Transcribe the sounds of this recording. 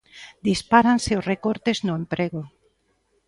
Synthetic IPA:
d̪ispaɾanseosrekoɾt̪eznʊempɾeɣo

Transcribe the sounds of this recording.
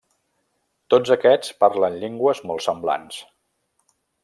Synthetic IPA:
t̪od͡zəkɛt͡spaɾlənʎeŋɡwəzmɔlˠsəmbla̰ns

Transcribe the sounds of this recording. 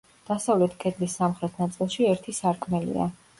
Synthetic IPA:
d̪̥asavlɛt̪ʰkʼɛd̪lisːamχɾɛt̪ʰnat̪sʼilˠʃiɛɾt̪ʰisaɾkʰʼmɛlḭa̰

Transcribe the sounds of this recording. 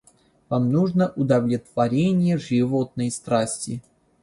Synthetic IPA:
vamnuʐnəʔʊd̪ɐvlʲɪt̪v̥ɐɾʲenʲɪjəʐɨvot̪̚nəjst̪ɾasʲtʲɪ

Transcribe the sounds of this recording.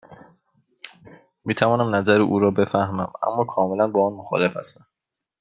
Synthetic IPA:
miːt̪ʰævɒːnæmnæzæɾiʔuːɾɒːbe̞fæhmæmæ̰mːɒːkʰɒːme̞lænbɒːɒːnmoxɒ̰ːle̞fhæ̰st̪æm

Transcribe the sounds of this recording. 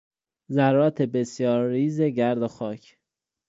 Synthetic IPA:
zæɾɒːt̪ʰebe̞sjɒːɾːiːzeɟæɾd̪oxɒːcʰ

